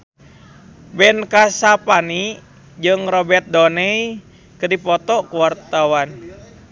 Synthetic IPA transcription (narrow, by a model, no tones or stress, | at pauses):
bɛnkasapani | d͡ʒɨŋrɔbɛrt̪̚dɔnɛi | kədipɔt̪ɔkuwart̪awan